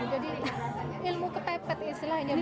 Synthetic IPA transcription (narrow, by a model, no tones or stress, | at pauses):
d͡ʒadi | ɪlmukəpɛpət̪islahiɲa